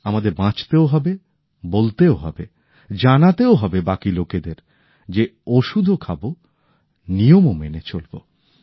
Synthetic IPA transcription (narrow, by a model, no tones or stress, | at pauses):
amad̪eɾbãt͡ɕt̪eoɦɔbe | bolt̪eoɦɔ̰be | d͡ʑanat̪eoɦɔbebakiloked̪eɾ | d͡ʑeoʃud̪ʱokʰabo | nijomomenet͡ɕolbo̰